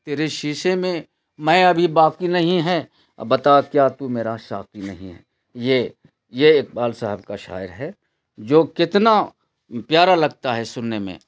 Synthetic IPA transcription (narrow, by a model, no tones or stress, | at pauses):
t̪eːɾeʃiːʃemẽ | mɛ̃ɐbʱibaːkinɐɦĩɦɛ̰ː | bɐt̪akjaːt̪umeːɾaʃa̰ːkinɐɦḭ̃ɦɛ̰ | je | jek̚baːlsaɦəb̚kaʃa̰ːjəɾɦɛ | d͡ʒoːkɪt̪na | pjaːɾalɐɡ̚t̪aɦɛsʊnːemḛ̃